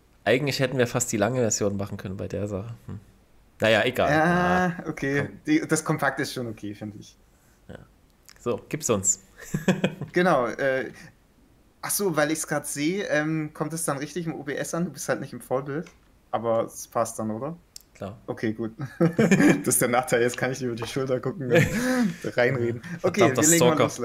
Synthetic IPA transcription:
ʔaɪɡŋ̩tlɪçhɛtn̩viːɐfast̚d̥iːlaŋəvɛɐzjoːnmaχn̩kʰœnənbaɪdeːɐzaχəmm̩ | najaːʔeɡa̰ːjaːʔokʰeːd̥id̥askʰɔmpʰak̚tɪstʃoːnokʰeːfɪndəɪç | ja̰ː | z̥oːɡ̥iːp̚tsʊns | ɡ̥ənaʊʔɛː | ʔaχz̥oːvaɪlɪçsɡ̥ʁaːtz̥eːʔɛmkʰɔmtd̥asd̥anʁɪçtɪçɪmʔo̰ːbeːʔɛsʔanduːbɪsthaltnɪçtɪmfoːɐbɪlt | ʔaːbɐspʰast̚d̥anʔoːɾɐklaːʔokʰeːɡuːt̚ | d̥asd̥eːɐnaːχtʰaɪlɪstkʰanɪçdɪybɐdiːʃʊltɐɡʊkŋ̩ | ʁaɪnʁeːdn̩ʔokʰeːviɐleːɡŋmaloːs

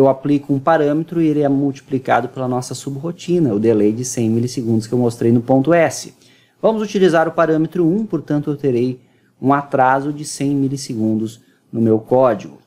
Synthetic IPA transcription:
ewaplikʊũpaɾɐ̃met̪ɾʊɪeleɛmuwt͡ʃi̥plika̰d̪ʊpelɐnɔsɐsubɦot͡ʃĩnɐʊwd̪elejd͡ʒɪsẽj̃milɪseɡũnd̪ʊskɪewmost̪ɾejnʊpõnt̪ʊɛsɪ̥ | vɐ̃mʊzut͡ʃilizaɾʊpaɾɐ̃met̪ɾʊũpoɾt̪ɐ̃nt̪ʊewt̪eɾej | ũat̪ɾazʊd͡ʒɪsẽj̃milɪsɪɡũnd̪ʊz | nʊmewkɔd͡ʒiɡʊ

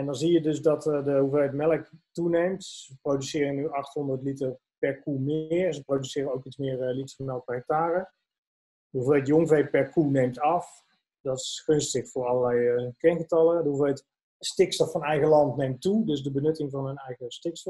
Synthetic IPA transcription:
ɛndɔnzijədøsdɔtdəɦuvɛjətmɛləktunejmtsəprowdysɪːɾənyʔɑxtɦondərtlitər | pɛrkumɪːərsəprodysɪːɾənowkit͡smɪːrlitfɔnɔwpəək̚taːrə | dɦuvɛətjoŋvejpɛrkunejmtɑf | dɔtɪ̥sxønstəxfʊːrɑləlɛjkɛnɣətɑlˠədəuvʋɛt | stɪkstɔfɑnɛjɣəlɑntnejmtudøsdəbənøtɪŋvɑnənɛjɣəstɪkstɔ

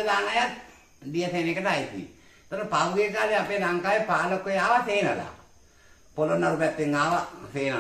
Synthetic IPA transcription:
əlaːnajat̪ | dijəseːnekːəʈəajt̪ḭ | t̪aɾəpaʋuɡekaːleapeːlaŋkaːjepaːlokːojaːʋaseːnʋəla̰ː | polonːaɾupat̪ːeŋɡaːʋaseːn

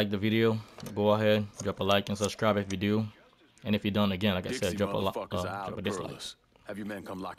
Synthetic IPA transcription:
laɪk̚ðɨvɪɾioʊɡoʊəɦɛd̚d̥ɹɑpəlaɪkɨ̃nsəb̥skɹaɪbɨfjɨdɨ | ɨ̃nɨfjɨdʌ̃nɨɡɛ̃nlaɪkaɪsɛddd͡ʒɹɑ̃pə̰lʌʌ̃pdɪsla̰ɪk | j̃nkʰʌ̃

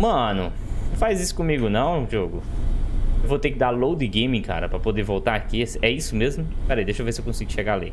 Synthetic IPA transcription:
mɐ̃nʊ | fajzisʊ̥kõmiɡʊnɐ̃w̃d͡ʒioɡʊ | ewvot̪ekɪd̪alowd̪ɪɡẽj̃mĩka̰ɾɐpɾɐpod̪eɾvowt̪aɾakiɛsɪɛisʊmezmʊpɛɾejd̪eʃowvesɪewkõsiɡʊʃeɡalḭ

